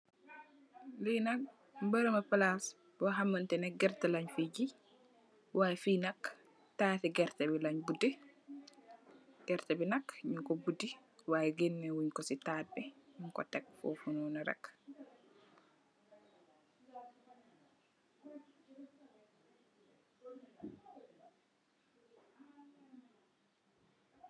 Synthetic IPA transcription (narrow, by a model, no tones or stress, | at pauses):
lijnak̚ | mbəɾəmapalas | bɔɦamːantɛnɛɡɛɾtɛlaɲfid͡ʒi | waːjfinak | taːtiɡɛɾtɛbilaɲbudi | ɡ̥ɛɾtɛbinakɲuŋkɔbudi | wajɡinːɛwuɲkɔsitaːt̚bɛɲuŋkɔ̰tɛk̚fɔ̰fununaɾa̰k